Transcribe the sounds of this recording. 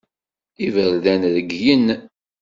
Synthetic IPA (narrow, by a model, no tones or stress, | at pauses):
ivəɾðænðəɡjən